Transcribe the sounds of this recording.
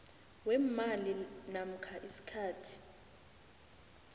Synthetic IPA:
wɛmalinam̩kʰaʔisi̥kʰaːtʰi̥

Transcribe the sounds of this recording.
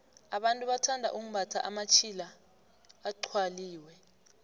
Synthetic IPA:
aɓantʼuɓatʰandʱa̰ʔum̩ɓatʰaʔamat͡ʃʰilaː | ǃʰwaliːwɛ

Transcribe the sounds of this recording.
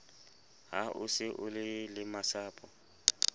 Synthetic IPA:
ha̰ʔʊsɪʔʊlɪlɪmasaːpʼɔ

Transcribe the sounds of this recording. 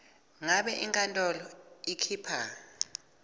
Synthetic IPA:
ŋaɓɛʔiŋkʼantʼɔlɔikʰiːpʰa

